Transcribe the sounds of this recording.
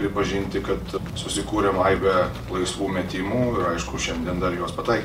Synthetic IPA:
pʲɾʲɪpɐʒʲinʲt̪ʲɪkɐt̪ | sʊsʲɪkuːɾʲɛmɐɪbʲɛ | lˠɐɪsʋuːmʲɛt̪ʲimuːɪɾɐɪʃkʊʃʲɛnʲd̪ʲiɛnd̪ɐɾjoɔspɐt̪ɑɪkʲ

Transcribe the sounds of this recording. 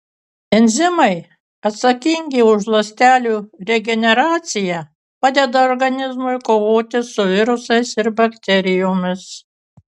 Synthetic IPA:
ɛnʲzʲɪmɐɪ | ɐt̪sɐkʲɪŋʲɡʲɪʊʒlˠɐsʲt̪ʲæːlʲuːɾʲɛɡʲɛnʲɛɾɑːt̪sʲɪjɛ | pɑːd̪ʲɛd̪ɐɔɾɡɐnʲɪzmʊɪkoːʋoːt̪ʲɪsʊʋʲɪɾʊsɐɪsɪɾbɐkt̪ʲɛɾʲɪjoːmʲɪs

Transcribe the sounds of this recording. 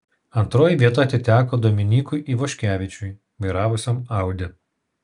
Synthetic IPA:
ɐnt̪ɾoːjiʋʲiɛt̪ɐt̪ʲɪt̪ʲæːkoːd̪oːmʲɪnʲiːkʊɪʔiːʋoːʃʲkʲæːʋʲɪt͡ʃʲʊj | ʋɐɪɾɑːʋʊsʲomɑˑʊd̪ʲɪ

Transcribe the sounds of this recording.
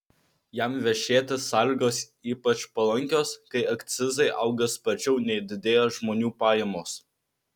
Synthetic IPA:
jæmʋʲɛʃʲeːt̪ʲɪsɑːlʲiːɡoːs | iːpɐt͡ʃpɐlˠɐŋʲkʲoːskɐɪɐkt̪sʲɪzɐɪʔɐʊɡʲɛspɐt͡ʃʲɛʊnʲɛɪd̪ʲɪd̪ʲeːjɛʒmoːnʲuːpɑːjɛmoːs

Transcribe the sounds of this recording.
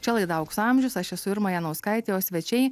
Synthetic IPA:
t͡ʃʲɛlˠɐɪd̪ɐʊksɐmʲʒʲʊsɐʃɛsʊɪɾmɐjɛnɐʊskɐɪt̪ʲeːjoːsʲʋʲɛt͡ʃʲɛɪ

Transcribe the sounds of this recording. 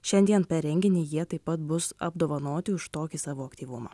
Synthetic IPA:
ʃʲɛnʲd̪ʲiɛnpʲɛɾʲɛŋʲɡʲɪnʲeːjiɛt̪ɐɪpːɐt̪bʊsɐ̰bd̪oːʋɐnoːt̪ʲɪʊʃt̪oːkʲɪsɑːʋoːɐkt̪ʲiːʋʊmɑ̰ː

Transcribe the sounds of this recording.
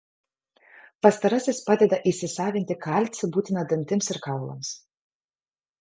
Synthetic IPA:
pɐst̪ɐɾɐsʲɪspɑːd̪ʲɛd̪ɐʔɪsʲɪsɑːʋʲɪnʲt̪ʲɪkɑlʲt̪ʲsʲɪbuːt̪ʲɪnɐd̪ɐnʲt̪ʲɪmsɪɾkɑˑʊlˠɐ̰ms

